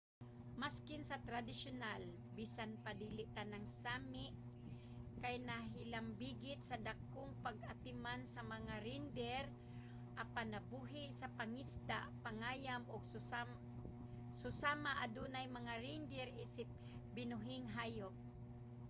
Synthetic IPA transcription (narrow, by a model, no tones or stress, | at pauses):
maskɪnsɐt̪ɾad̪ɪʃonal | biːsanpad̪iːlɪʔt̪anaŋsaːmɪʔ | kajnaɦɪlambiːɡɪt̪̚sɐd̪akoŋpaɡat̪ɪmansɐmɐŋaɾind̪ɛɾ | ʔapanɐbuɦɪʔsɐpaŋist̪aʔpaŋaːjamoɡ̚ | sʊsaːmaʔad̪unajmɐŋaɾind̪ɛɾʔisɪp̚ | bɪnʊɦɪŋɦaːjok̚